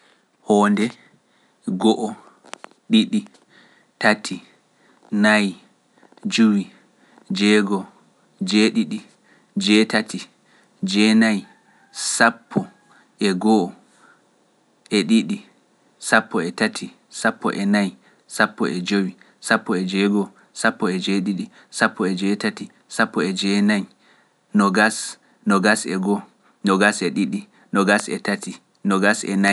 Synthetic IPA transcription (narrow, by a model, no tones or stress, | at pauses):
hɔːndɛ | ɡɔʔɔ | ɗiɗi | tatʰi | naj | d͡ʒuwi | d͡ʒɛɡɔ | d͡ʒɛɗiɗi | d͡ʒɛtatʰi | d͡ʒɛnaj | sapʰːɔ | ʔɛɡɔʔɔ | ʔɛɗiɗi | sapːɔɛtatʰi | sapʰːɔ̰ʔɛnaj | sapːɔʔɛd͡ʒowi | sapːɔɛd͡ʒɛɡɔ | sapːɔɛd͡ʒɛɗiɗi | sapːɔɛd͡ʒɛtati | sapːɔɛd͡ʒɛnaj | nɔɡas | nɔɡasɛɡɔ | nɔɡasɛɗiɗi | nɔɡasɛ̰tati | nɔɡasɛ̰na